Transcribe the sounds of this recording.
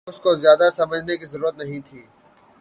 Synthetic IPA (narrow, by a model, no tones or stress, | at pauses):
ʊskozjaːd̪asɐməd͡ʒʱnekizɐɾuːɾət̪nɐɦĩt̪ʰiː